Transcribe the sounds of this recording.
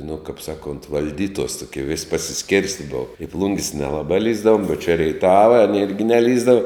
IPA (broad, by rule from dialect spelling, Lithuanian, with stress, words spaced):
nʊ kɐp ˈsɑːˌkoːnt ʋɐlʲˈdʲiːtuɔs tʊˈkʲiɛ ʋʲɪsʲ pɐsʲɪˈsʲkʲeːrʲsʲtʲɪ ˈboːʋɐ ɪ ˈplˠʊŋʲɡʲɪs nʲɛlˠɐˈbɐ ˈlʲiːzdɐʋʊm ʊ t͡ʃʲɛ rʲɛɪˈtɑːʋɐ ɐnʲeː ˈɪrʲɡʲɪ nʲɛˈlʲiːzdɐʋɐ